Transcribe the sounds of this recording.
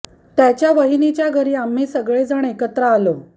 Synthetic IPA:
t̪jat͡ɕjaʋəɦinit͡ɕjaɡʱəɾiːam̤ːiːsəɡɭed͡zəɳekət̪ɾəalo

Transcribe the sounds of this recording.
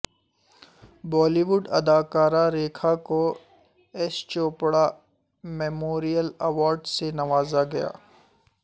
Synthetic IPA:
bɔːliʋʊɖɐ̰d̪aːkaːɾaɾeːkʰako | ɛst͡ʃoːpɽa | mɛːmoːɾijəlɐʋɔːɾɖsenɐʋaːzaɡɐja̰ː

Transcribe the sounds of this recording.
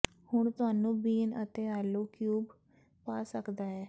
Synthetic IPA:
hʊɳt̪ʊaːnũːbiːnət̪eːaːlːoːkjuːb | paːsəkd̪aːɛː

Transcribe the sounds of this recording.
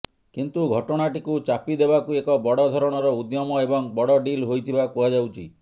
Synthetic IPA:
kint̪uɡʱɔʈɔɽ̃aʈikut͡ʃapid̪ebakuekɔbɔɽɔd̪ʱɔɾɔɽ̃ɔɾɔud̪jɔmɔebɔŋbɔɽɔɖilɦojt̪ʰibakuɦad͡ʒawt͡ʃʰi

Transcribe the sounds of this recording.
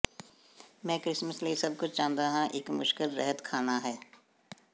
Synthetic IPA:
mɛ̃ːkɾɪsməslesɐb̚kʊt͡ʃʰt͡ʃaːnd̪aɦãʔɪːkmʊʃkɪlɾɛ̰ɦət̪kʰaːnaɦɛː

